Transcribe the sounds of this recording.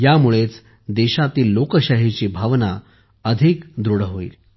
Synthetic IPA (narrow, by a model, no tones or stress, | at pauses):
jamuɭet͡s | d̪eɕat̪iːlːokəɕaɦit͡ɕiːbʱaʋna | əd̪ʱikd̪ɾuɽɦoḭːl